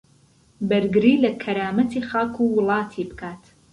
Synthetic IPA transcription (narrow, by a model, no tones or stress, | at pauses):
bɐɾɡɨɾiːlɐkʰɐɾaːmɐt̪ʰiːχaːkʰuwɨlˠɑːt̪ʰibɨkʰaːt̪